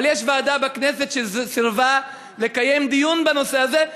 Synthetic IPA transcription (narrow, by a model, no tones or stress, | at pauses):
ljeʃvaːd̪abakne̞se̞t̪ʃesiʁva | le̞kaje̞md̪ijunbano̞seaze̞